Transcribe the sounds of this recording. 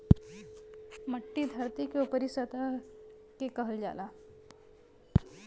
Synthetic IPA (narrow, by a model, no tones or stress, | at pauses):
mɐʈːid̪ʱɐɾt̪ikeupəɾisət̪a | kekɐɦəld͡ʒa̰ːlaː